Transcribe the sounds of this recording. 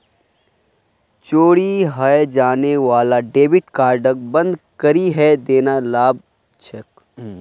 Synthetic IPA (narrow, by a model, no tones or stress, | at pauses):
t͡ʃoːɽiɦɐed͡ʒaːneʋaːlaɖeːbɪʈkaːɾɖək̚bɐ̃nd̪kɐɾiɦɛd̪eːnalaːb̚ | t͡ʃʰɐk